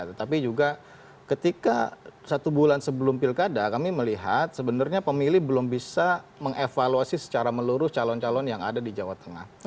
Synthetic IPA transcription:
t̪ət̪apid͡ʒuɡa | kət̪ika̰sat̪ubulansəbəlʊmpilkadakamiməliɦat̪̚səbənarɲapəmilɪhbəlʊmbisaməŋefaluasisə̥t͡ʃaɾaməluɾʊst͡ʃalɔnt͡ʃalɔnjaŋa̰dadid͡ʒawat̪əŋa̰h

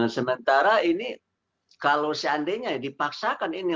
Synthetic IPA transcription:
səmənt̪aɾaini | kalosəandeɲadipaksakanini

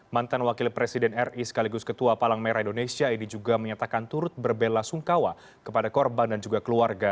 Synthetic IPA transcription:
mant̪anwakɪlpɾesidɛnɛrisə̥kaliɡʊskət̪uapalaŋmeɾaindonesiainid͡ʒuɡaməɲat̪akant̪uɾʊt̪̚bərbelasuŋkawa | kəpadakɔrbandand͡ʒuɡakəluarɡa

